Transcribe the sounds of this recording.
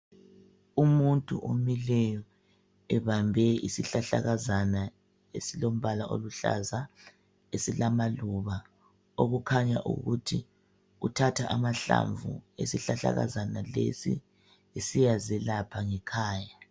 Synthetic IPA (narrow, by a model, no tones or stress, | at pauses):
umuntʼṵʔomilɛjɔ | ɛβambʱɛisiɬaɬa̰ɣazana | esilom̩βalaʔo̰luɬa̰za | esilamaluβa | oɣukʰaɲaʔṵɣutʰi | utʰatʰaʔamaɬa̰ɱvṵesiɬaɬa̰ɣa̰zanalḛsḭ | esijazɛlapʰaŋɛkʰaːja